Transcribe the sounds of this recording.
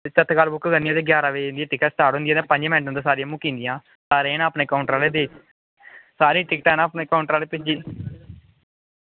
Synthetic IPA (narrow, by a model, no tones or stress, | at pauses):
t͡ʃət̪ʰkaːlbʊkɡənijãːd̪eːɡjaːɾaːʋeːnd̪ijãːʈɪkəst̪aːɽɦʊ̃nd̪jaːd̪ẽːpə̃ɲd͡ʒmɛ̃ːɳʈ̬ənd̪aːsaːɾijãmũːkĩːnd̪ɪjãː | saːɾeːnaːpneːkaːʊɳʈɾaːleːd̪eːt͡ʃ | saːɾiːʈɪk̚ʈɛːnãːpneːkaːʊɳʈɾaːleːpɪt͡ʃd͡ʒiː